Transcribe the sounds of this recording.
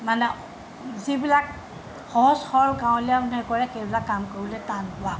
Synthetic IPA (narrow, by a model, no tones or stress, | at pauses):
manɛ | zibilak̚ | xɔɦɔsxɔɹɡãw̃lijanɛkɔɹɛxejbilakːamkoɹilɛtanpʊa